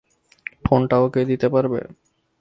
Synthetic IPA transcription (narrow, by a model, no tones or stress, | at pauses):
fonʈaoked̪it̪epaɾbḛ